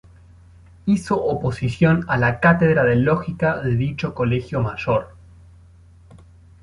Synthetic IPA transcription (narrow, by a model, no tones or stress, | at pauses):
iso̞ʔopo̞sisjo̞nalakat̪eðɾaðeloxikaðeðit͡ʃo̞ko̞lexjomaʒoɾ